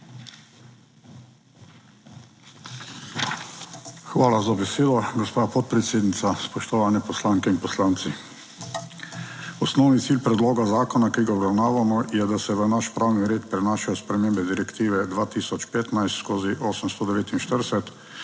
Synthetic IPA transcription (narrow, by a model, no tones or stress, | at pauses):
xʋaːlazabɛseːd̪ɔɡɔspaːpɔt̪̚pɾɛt̪seːd̪nit̪aspɔʃt̪ɔʋaːnɛpɔslaŋkɛinpɔslaːnt̪si | ɔsnɔwnit̪siːlpɾɛd̪loːɡazaːkɔnakiːɡaɔbɾawnaːʋamɔjɛd̪asɛʋənaʃpɾawniɾeːt̪pɾɛnaːʃajɔspɾɛmeːmbɛd̪iɾɛkt̪iːʋɛd̪ʋaːt̪iːsɔt͡ʃpeːt̪najst̪skoːziʔoːsəmst̪ɔd̪ɛʋeːt̪inʃt̪əɾsɛt̪